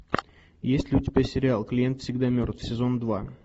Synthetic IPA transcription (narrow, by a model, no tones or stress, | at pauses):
jesʲtʲlʲɪʊtʲɪbʲæsʲɪɾʲɪalˠklʲɪje̞nt̪fsʲɪɡd̪amʲɵrt̪fsʲɪzo̞nd̪va